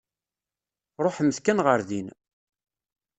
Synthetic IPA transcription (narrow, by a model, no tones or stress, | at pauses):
ɾˤoħəmːəθkænʁəɾðin